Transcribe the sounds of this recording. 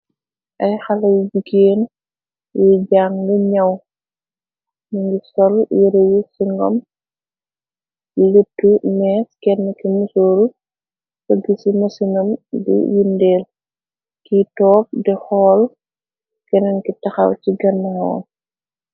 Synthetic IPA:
ʔɐjxɐlɐjd͡ʒukːeːn | jiɟaːŋliɲɐw | niŋɡisɔljiɾɐjusiŋɡɔ̰m | ilətːumɛːskɛnːɐkimusoːl | fɐɡisimɐsinɐmbḭjundeːl | kitɔːp̚dɛxɔːl | kɛnɐnkitɐxɐ̰wciɡɐnːɐŋɔ̰ː

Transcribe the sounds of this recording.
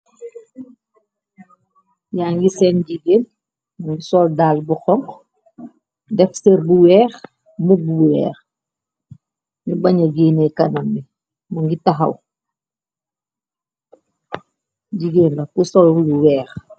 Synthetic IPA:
jaːŋɡisɛnɟiɡeːn | muŋisɔldaːlbuxɔŋk | dɛfseɾbuwɛːx | mubuwɛ̰ːx | ɲubɐɲɐɡeːnekɐnɐmːi | muŋɡitaɦɐ̰w | ɟiɡeːnlɐkusɔlluwɛːx

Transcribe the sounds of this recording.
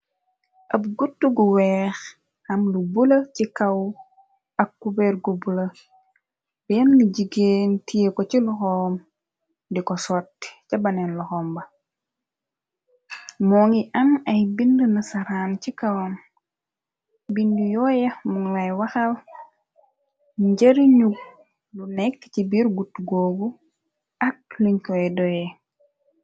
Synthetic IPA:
ʔɐbɡutːuɡuwɛːx | ɐmlubulɐcikɐw | ɐkːubɛɾɡubulɐ | bɛɐnnuɟiɡeːntijekɔcilɔxɔːm | dikɔsɔtːi̥cɐbɐnɛnlɔxɔːmbɐ | mɔːŋiʔɐnɐjbindunɐsɐɾancikawɔm | bindujɔːjɐmuŋwajwɐxɐl | ɲɟɐɾiɲuɡ̚ | lunɛkːcibiɾɡutɡobu | ɐk̚liɲkɔɛdɔjɛ

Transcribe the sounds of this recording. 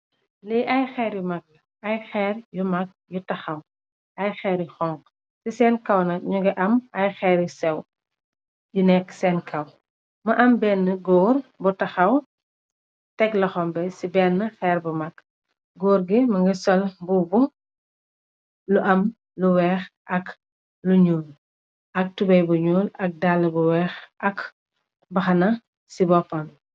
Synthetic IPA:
liʔɐjxɛːɾjumɐk̚lɐ | ɐjxɛːɾjumɐk̚jutɐxɐw | ʔɐjxɛːɾjuxɔŋɡ | sisɛːnkɐwnɐɲuɡɐʔɐmɐjxɛːɾjusɛw | junɛkːsɛːnkʰɐw | mɐʔɐmbɛnːəɡɔːrbutɐxɐw | tɛklɐxɔmbɛsibɛːnːəxɛːɾbumɐk | ɡɔːɾɡimɐŋɡɐsɔlbubu | luʔɐm | luwɛːxʔɐk | luɲuːl | ʔɐk̚tubɐjbuɲuːlɐk̚dalːɐbuwɛːxɐk | bɐxɐnɐ | sibɔpːɐm

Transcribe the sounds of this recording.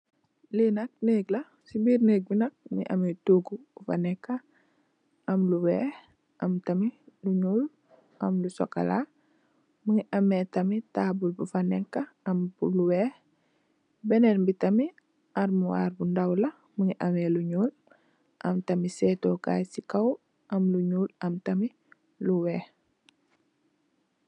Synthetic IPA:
linɐk̚neːɡlɐ | sibiɾneːɡ̚binɐk̚mḭʔa̰mituɡubufanɛkːa | ʔɐmluwɛːh | ʔɐmtɐmiluɲuːl | ʔɐmlusoka̰la̰ | muŋiʔɐmetɐmitaːbulbufanekːaɐmbuluwɛːh | bɛnenbitɐmi | ʔaɾmuwa̰ːrbundɐwlɐ | məŋiʔɐmeluɲuːl | ʔɐmtɐmisɛːtoːka̰jsikaw | ʔɐmluɲuːlɐmtɐmi | luwɛːh

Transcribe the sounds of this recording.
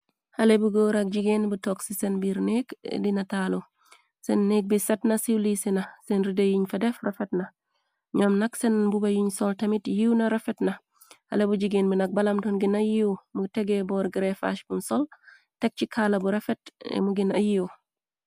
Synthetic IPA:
hɐlebuɡoːɾak̚ɟiɡenbutoksisenbiɾnekdinɐtaːlo | senːek̚bisetnɐsiwlisinɐsenɾidejiɲfedefrefetnɐ | ɲoːmnɐksenbubajiɲsoltɐmitjiwnɐɾefetnɐ | hɐ̰lebuɟiɡeːnbinɐk̚bɐlɐmtonɡinɐjiomuteɡebɔːɾɡiɾefa̰ʃbunsol | tek̚t͡ʃikʰalɐbuɾefetmuɡinɐjiw

